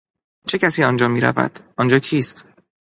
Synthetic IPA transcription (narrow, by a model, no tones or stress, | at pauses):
t͡ʃʰe̞cʰæsiːɒnd͡ʒɒːmiːɾæ̰væ̰d̪̥ʔɒnd͡ʒɒːcʰiːst̪